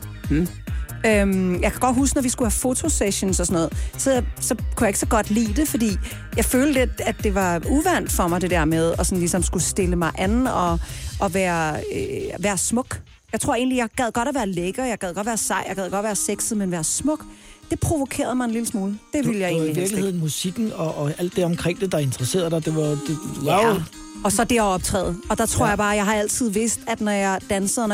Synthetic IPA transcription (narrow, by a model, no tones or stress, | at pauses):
m̩ | ømjɑ̈ɪkʰæɡ̥ɒ̽d̥ɦuːsɡ̥nɒʋisɡ̥uhæfo̝t͡sʰo̝seɕonsɒsɒ̽nɔ̽ːð̩ˠsɒsɒ̽kʰujɑ̈eɡ̥əsɒ̽ɡ̥ɒ̽d̥lḭːd̥e̝fɒ̽d̥ḭː | jɑ̈ɪføːldd̥eæd̥e̝ʋɑ̈uʋæn̰d̥fɒ̽mɑ̈ɪd̥e̝d̥eɐ̰meðˠɒ̽sɒ̽nlisɒ̽msɡ̥usd̥e̝ləmɑ̈ɪʔænn̩ɒ̽ɒ̽ʋæːɐ | ʋæːɐsmɔ̽ɡ̥ | jɑ̈ɪt͡sʰʁo̝ɐ̰e̝̰ːnlijɑ̈ɪɡ̥ɛðˠɡ̥ɒ̽ɾ̥æʋæːɐleɡ̥ɐːjɑ̈ɡ̥ɛðˠɡɒ̽d̥ʋæːɐsɑ̈ɪ̰jaɡ̥ɛðˠɡ̥ɒ̽d̥ʋæːɐseɡ̥sð̩ˠmenʋæːɐsmɔ̽ɡ̥d̥e̝pʰʁo̝ʋo̝kʰe̝̰ːɐð̞̩ˠmɑ̈ɪe̝nliləsmuːləd̥e̝ʋiləjɑ̈ḛːniʋiɐ̥lie̝̰n̩musiɡ̥n̩ɒʔæl̰d̥ːe̝ɒ̽mkʰʁɛŋ̰d̥ed̥ɑ̈e̝nd̥əʁɐse̝̰ːɐðˠd̥ɑd̥e̝ʋɑd̥e | ɒ̽sɒ̽d̥e̝æɒ̽b̥̚t͡sʰʁɛ̰ːð̩ˠɒ̽d̥ɑ̈t͡sʰʁo̝ɐ̰jɑb̥ɑ̈ːjɑ̈ɪhɑ̈æl̰t͡sʰið̞̰ˠʋe̝sd̥æd̥nɒjɑ̈ɪd̥ænsəð̩ˠn